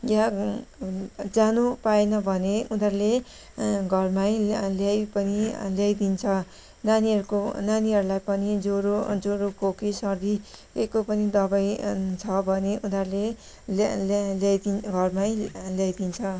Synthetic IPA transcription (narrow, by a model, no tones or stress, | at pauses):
ja | d͡zanupaenʌbʱʌneunʌrle | ɡʱʌrmajljajpʌniljajd̪int͡sʰʌ | naniʌɾukonaniɦʌɾulajpʌnid͡zoɾod͡zoɾokʰokisʌrd̪ikekopʌnid̪ʌbajt͡sʰʌbʱʌneʔunʌrle | llajd̪iɡʱʌrmajljajd̪int͡sʰʌ